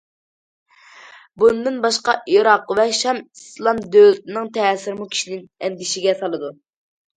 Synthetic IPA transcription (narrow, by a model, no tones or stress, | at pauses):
bunɨd̪ɨnbɑʃqɑʔiɾɑqvɛʃɛmislˠɑmd̪ølɪt̪ɪnɨŋt̪ʰɛːsɪɾmukʲʰi̥ʃinɪnɛnd̪ɪʃiɡʲɛsɑlˠɨd̪u